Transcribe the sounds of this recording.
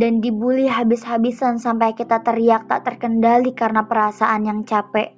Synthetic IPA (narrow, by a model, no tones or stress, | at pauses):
dandibuliɦabɪshabisansampajkit̪at̪əriak̚t̪a̰ʔt̪ərkəndalikaɾənapəɾasaʔanjaŋt͡ʃapɛʔ